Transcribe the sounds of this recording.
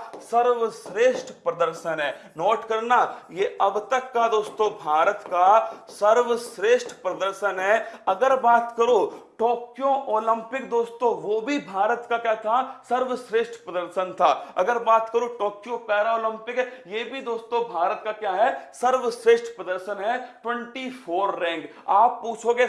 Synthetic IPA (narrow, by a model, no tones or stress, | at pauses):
sɐɾʋʃɾeːʃʈʰpɾɐd̪əɾʃənɦɛː | noːʈkɐɾnajeːɐbt̪ɐkːad̪oːst̪õbʱaːɾət̪kasɐɾʋəsɾeːʃʈʰpɾɐd̪əɾʃənɦɛɐɡəɾbaːt̪kɐɾoʈoːkjõʔoːlə̃mpɪkd̪oːst̪õʋobʱibʱaːɾət̪kakjaːt̪ʰasɐɾʋsɾeːʃʈʰpɾɐd̪əɾʃənt̪ʰaɐɡəɾbaːt̪kəɾoʈoːkjõpɛːɾaoːlə̃mpɪkɦɛjeːbʱid̪oːst̪õbʱaːɾət̪kakjaːɦɛsɐɾʋəsɾeːʃʈʰpɾɐd̪əɾʃənɦɛʈwə̃ɳʈifʰoːɾːɛ̃ːŋɡ | aːpːuːt͡ʃʰoɡe